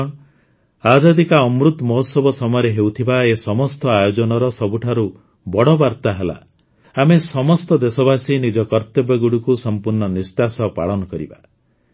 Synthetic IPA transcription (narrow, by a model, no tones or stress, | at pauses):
ad͡ʒad̪ikaɔmɾut̪mɔɦusɔbɔsɔmɔjɔɾeɦewt̪ʰibaesɔmɔst̪ɔajod͡ʒɔnɔɾɔsɔbuʈʰaɾu | bɔɽɔbaɾt̪aɦela̰ | amesɔmɔst̪ɔd̪esɔbasinid͡ʒɔkɔɾt̪ebjɔɡuɽukusɔmpuɾɳɔnist̪asɔpa̰ɭɔnɔkɔɾḭba̰